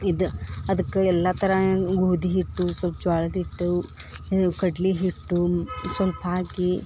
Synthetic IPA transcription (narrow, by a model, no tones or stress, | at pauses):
id̪uɐd̪ɐkːeɛlːɐt̪ɐɾɐɡuːd̪iɦiʈːusʋɐlpɐd͡ʒaːɭɐd̪iʈːu | kɐɖliɦiʈːusʋɐlpɐaːɡi